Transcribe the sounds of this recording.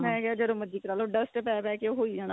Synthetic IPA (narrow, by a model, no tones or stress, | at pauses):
mɛ̃ːkaːd͡ʒəd̪õːməd͡ʒiːkəɾaːlõːɖəsʈpɛːpɛːkeoɦoːiːd͡ʒaːnaː